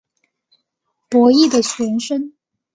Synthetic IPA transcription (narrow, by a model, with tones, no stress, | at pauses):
pwɔ˧˥i˥˩d̪ə˨t͡ɕʰɥɛ˧˥nʂə˥n